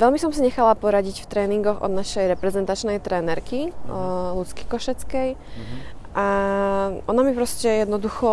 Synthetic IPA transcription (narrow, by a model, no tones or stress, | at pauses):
ʋɛlmisɔmsiɲɛxalapɔɾaɟicft̪ɾɛːniŋɡɔɣʔɔ̰d̪naʃɛjɾɛpɾɛzɛnt̪at͡ʃnɛjt̪ɾɛːnɛɾki | lut͡ski̥kɔʃɛt͡skɛj | ʔa | ʔɔnamipɾɔscɛjɛd̪nɔd̪uxɔ